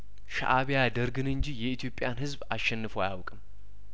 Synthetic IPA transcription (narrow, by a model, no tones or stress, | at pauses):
ʃa̰ʔaβejad̪əɾɡɨnɨɲd͡ʒijɛit̪ʰjo̞pʼjanhɨzbasʃːɛnːɨfoajawkʼɨm